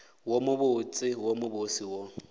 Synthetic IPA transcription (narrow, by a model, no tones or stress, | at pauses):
womʊbʊt͡sʼɪwomʊbʊsiwɔ